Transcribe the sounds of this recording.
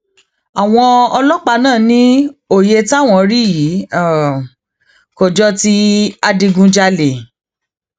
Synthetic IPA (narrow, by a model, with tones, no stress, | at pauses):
a˨w̃ɔ̃˧ɔ˧lɔ˦k͡pa˧nãː˦˨nĩ˦o˨je˧ta˦˨w̃ɔ̃˧ɾi˦ji˨˦˨ | ko˨d͡ʒɔ˦ti˦a˧di˧ɡũ˧d͡ʒa˧le˨